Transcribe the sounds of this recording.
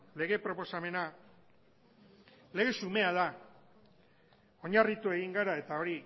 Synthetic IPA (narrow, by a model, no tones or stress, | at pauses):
le̞ɣe̞pɾo̞po̞same̞na | le̞ɣe̞sume̞aða | o̞ɲarit̪ue̞ɣ̞iŋɡaɾae̞t̪ao̞ɾi